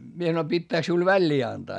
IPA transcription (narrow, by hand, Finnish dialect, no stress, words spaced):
mie sɑnoi pitːæːk siul ʋælʲːiː ɑntɑː